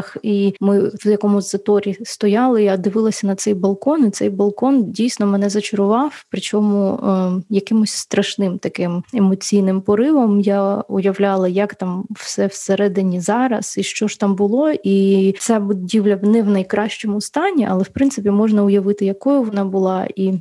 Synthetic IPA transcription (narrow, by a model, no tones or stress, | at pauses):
ximɪjɐkɔmʊzʲzɐt̪ɔɾʲist̪ɔjɑlˠɪɐd̪ɪʋɪlˠɐsʲɐnɐt̪sɛjbɐlˠkɔnit̪sɛjbɐlˠkɔndʲijsnɔmɛnɛzɐt͡ʃɪɾʊʋɑwpɾɪt͡ʃɔmʊjɐkɪmʊsʲst̪ɾɐʃnɪmt̪ɐkɪmemɔt͡sʲijnɪmpɔɾɪʋɔmjaʊjɐʋlʲɑlˠɐjɐkt̪ɑmw̥sɛwseɾɛd̪ɪnʲizɑɾɐ̰siʃt͡ʃɔʃt̪ɑmbʊlˠɔʔitsɛbʊdʲiʋlʲɐbnɛwnɐjkɾɑʃt͡ʃɔmʊst̪ɑnʲiʔɐ̰lˠɛwpɾɪntsɪpʲimɔʒnɐʊjɐʋɪt̪ɪjɐkɔjʊʋɔnɑbʊlˠɑi